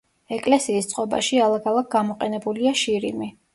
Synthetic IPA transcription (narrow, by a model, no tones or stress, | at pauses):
ɛkʼlɛsiːst̪sʼqʼɔba̰ʃialˠakʰalˠak̚ʰɡamɔqʼɛnɛbuliaʃiɾimi